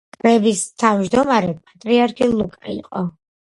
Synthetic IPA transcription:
kʼɾɛbist̪ʰavd͡ʒd̪ɔmaɾɛpʼat̪ʼɾiaɾkʰilˠukʼaḭqʼɔ

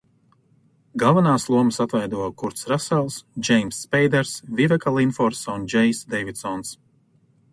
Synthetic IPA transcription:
ɡalˠvanaːslˠuɔməsat̪vɛjd̪uɔkuɾt̪sɾasɛlˠsd͡ʒɛjmsːpɛjd̪ɛɾsvivɛkalˠinfɔɾsund͡ʒɛjsd̪ɛjvit̪sɔns

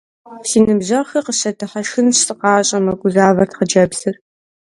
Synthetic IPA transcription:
siːnɨbʑɐxɐqəɕɐtʰɨħɐʃɨnɕsʼɨqɑːɕʼɐmɐɡʷʼʊzaːvɐrtqəd͡ʒɐbz̥ɨr

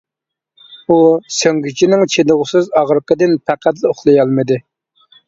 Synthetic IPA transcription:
usøŋɡʲyt͡ʃʰinɪŋt͡ʃʰed̪ɨʁʊsɨzɑʁɾɨqəd̪ɪnpʰæqʰæt̪̬lɨoχlˠɨjɑlˠmɨd̪ɨ

